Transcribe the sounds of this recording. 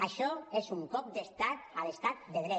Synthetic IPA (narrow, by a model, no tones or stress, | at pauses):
aʃɔezuŋkɔp̚d̪est̪at̪alest̪at̪̚d̪eð̞ɾɛ